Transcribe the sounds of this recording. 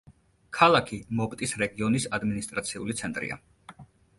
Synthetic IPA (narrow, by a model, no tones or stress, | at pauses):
kʰalˠakʰimɔpʼt̪ʼisɾɛɡiɔnisad̪minist̪ʼɾat̪sʰiulit̪sʰɛnt̪ʼɾḭa̰